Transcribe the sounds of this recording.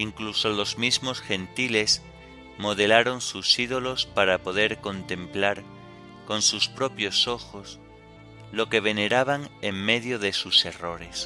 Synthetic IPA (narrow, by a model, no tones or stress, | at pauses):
iŋkluso̞lo̞zmizmo̞sxẽ̞nt̪ile̞s | mo̞ðe̞laɾo̞nsusið̞o̞lo̞spaɾapo̞ð̞e̞ɾkõ̞nt̪ẽ̞mplaɾ | ko̞nsuspɾo̞pjo̞so̞xo̞s | lo̞ke̞β̞e̞ne̞ɾaβ̞aŋeŋme̞ðjoðe̞suse̞ro̞ɾe̞s